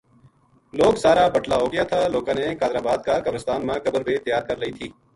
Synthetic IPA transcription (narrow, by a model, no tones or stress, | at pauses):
loːksaːɾaːbəʈlaːɦoːɡɪjaːt̪ʰaːloːkãːneːkaːd̪ɾaːbaːd̪̚kaːkəbɾəst̪aːnmãːkəbəɾbeːt̪əjaːɾkəɾləiːt̪ʰiː